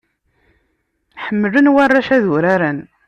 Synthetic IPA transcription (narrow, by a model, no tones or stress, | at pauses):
ħəmːələnwarˤːaʃæðʊɾaɾæn